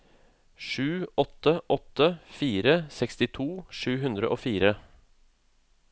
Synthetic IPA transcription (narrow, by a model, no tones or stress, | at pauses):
ʂʉːɔt̪ːəʔɔt̪ːəfiːɾəsɛkst̪ɪt̪ʰuːʂʉːɦʉnd̪ɾə̰ʔoːfiːɾə